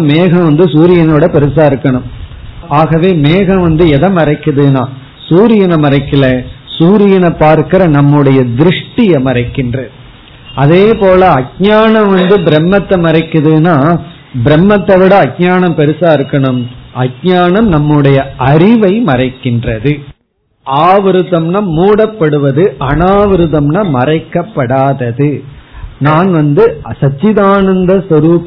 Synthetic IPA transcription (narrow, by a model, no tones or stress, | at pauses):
meːɣɐ̃ʋɐnd̪ɯsuːɾɪjɐnɐʋɪɽɐpɛɾɯsaːɪɾɯkːɐɳɯmaːɣɐʋeːmeːɣɐ̃ʋɐnd̪ɯɛðɐmɐɾɐɪkːɐðɯnaː | suːɾɪjɐnɐmɐɾɐɪkːɪlɐsuːɾɪjɐnɐpːaːɾkɪɾɐnɐmːɯɽɐjɐd̪ɪɾɯʂʈɪjɐmɐrɐɪkːɪndrɐðɯ | ʔɐðeːpoːlɐɐɡ̚ɲaːɳɐ̃mʋɐnd̪ɯbɪɾɛmːɐt̪ːɐmɐɾɐɪkːɯðɯnaː | bɪɾɛmːɐt̪ːɐʋɪɽɐːɡ̚ɲaːɳɐmpɛɾɯsaːɪɾɯkːɐɳɯmɐɡɲaːɳɐmnɐmːɯɽɐjɐʔɐɾɪʋɐɪmɐrɐɪkːɪndrɐðɯ | ʔaːʋɪɾɯðɐmnɐmuːɽɐpːɐɽɯʋɐðɯʔɐnaːʋɪɾɯðɐmnɐmɐrɐɪkːɐpːɐɽaːðɐðɯ | naːnʋɐnd̪ɯsɐt͡ʃːɪðaːnɐnd̪ɐsɔɾuːp